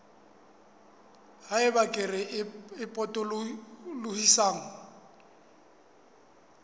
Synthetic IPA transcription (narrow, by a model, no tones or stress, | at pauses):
haɪbakʼɪrɪɪpʼɔtʼʊllʊhisaːŋ̩